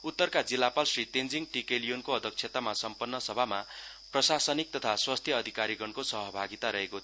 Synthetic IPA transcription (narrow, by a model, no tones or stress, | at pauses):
ut̪ːʌrkad͡zilːapalsrit̪end͡ziŋʈikelijonkoʌd̪ʱʌk̚t͡ʃʰjet̪amasʌmpʌnːʌsʌbʱama | prʌsasʌnik̚t̪ʌt̪ʰaswast̪ʰjʌːd̪ʱikaɾiɡʌnkosʌɦʌbʱaɡit̪aɾʌɦekot̪ʰ